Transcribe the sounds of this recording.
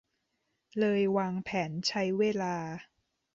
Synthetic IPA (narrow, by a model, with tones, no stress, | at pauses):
lɤː˧jwaː˧ŋpʰɛː˩˦nt͡ɕʰa˦˥jweː˧laː˧